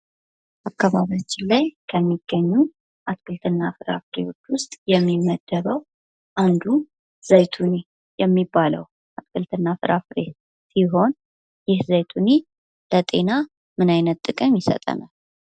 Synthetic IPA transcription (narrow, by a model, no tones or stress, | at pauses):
ʔakːaβaβjat͡ʃːɪnlajkʰəmːiɡ̥ːəɲːu | ʔat̪kʼɨlt̪ʰɨnːafɨɾa̰fɾḛwo̞t͡ʃːwʊst̪ʼjɛmːimːəd̪ːəβəw | ʔand̪u | z̥ajt̪ʰuni | jɛmːibːalə̰w | ʔat̪kʰʼɨlt̪ʰɨnːafɨɾafɾe | siɦo̞n | jɪhzajt̪ʰuni | lət̪ʼe̞na | mɨnajnət̪ʼːɨkʼəmjɪsə̰t̪ʼə̰na̰l